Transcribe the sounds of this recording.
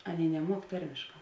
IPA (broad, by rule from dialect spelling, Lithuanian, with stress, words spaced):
ˈɑːˌnʲeːɪ nʲɛˈmuɔk ˈtɐrʲmʲeːʃˌkɑː